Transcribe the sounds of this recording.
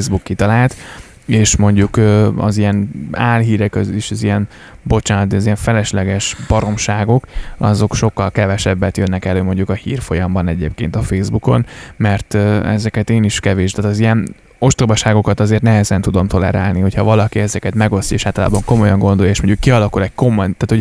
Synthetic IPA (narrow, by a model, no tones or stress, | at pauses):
zbukːit̪ɒlaːlt̪ | eːʃmo̞ɲɟukøɒ̰zijɛnaːlɦiːɾɛkøziːʃɒzijɛn | bo̞t͡ʃaːnɒt̪iɒzijɛɱfɛlɛʃlɛɡɛʃb̥ɒɾo̞mʃaːɡo̞kɒ̰zo̞kʃo̞kːɒlkɛvɛʃɛbːɛt̪jønːɛkɛløːmo̞ɲɟukɒhiːrfo̞jɒmbɒnɛɟeːp̚kḛːnt̪ɒfeːzbuko̞̰nmɛrt̪øɛ̰zɛkɛt̪eːniʃkɛveːʃt̪aːt̪ɒzijɛn | o̞ʃt̪oːbɒʃaːɡo̞kɒt̪ɒzeːrt̪nɛɦɛzɛnt̪ud̪o̞mt̪o̞lɛ̰ɾa̰ːlniho̞cʰhɒvɒlɒkiɛzɛkɛt̪mɛɡo̞sjɒeːʃaːt̪ɒla̰ːbɒŋko̞mo̞jɒŋɡo̞nd̪o̞jɒeːʃmo̞ɲɟukːiɒlɒkulɛɟ̚ko̞mojt̪aːt̪ho̞ɟ